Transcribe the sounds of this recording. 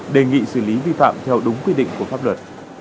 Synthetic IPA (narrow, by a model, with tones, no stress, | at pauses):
ɗe˨˩ŋḭ˧˨sɨ˧˩li˨˦vi˧fa̰ː˧˨mt̪ʰɛ˧wɗʊ˨˦ŋ͡mkwi˧ɗḭ̈˧˨ŋku˧˩əfaː˦˥p̚lwə˨˩t̚